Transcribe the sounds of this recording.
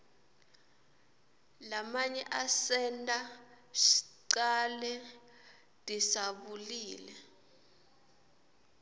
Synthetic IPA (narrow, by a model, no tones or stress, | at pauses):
lamaɲɛʔasɛntʼa | ʃi̥ǀalɛ | d̥ʱʼisaɓuliːlɛ